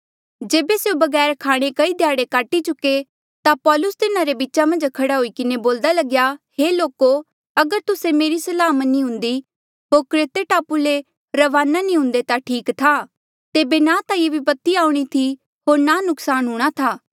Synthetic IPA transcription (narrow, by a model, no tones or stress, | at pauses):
d͡ʒeːbeseːubɐɡɛːɾkʰaːɽ̃ekɐid̪ʱjaːɽekaːʈit͡ʃʊkːe | t̪apɔːlʊst̪ɪnãɾebiʃamɐ̃nd͡ʒkʰɐɽaɦoikɪneboːld̪alɐɡjaheːloːko | ɐɡəɾt̪ʊsemeːɾisɐlaːmənːĩɦʊ̃nd̪i | ɦoːɾkɾeːt̪eʈaːpule | ɾɐʋaːnanĩɦʊ̃nd̪et̪aʈʰiːkt̪ʰaː | t̪eːbenãt̪ãebipɐt̪iaːũɽ̃it̪ʰi | ɦoːɾnanʊksaːnɦʊːɽ̃at̪ʰaː